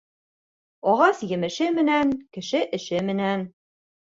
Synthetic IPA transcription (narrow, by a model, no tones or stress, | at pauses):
ɒʁɑsjɘ̆mɘ̆ʃɘmɘ̆nænkɘ̆ʃɘʔɘ̆ʃɘmɘ̆næn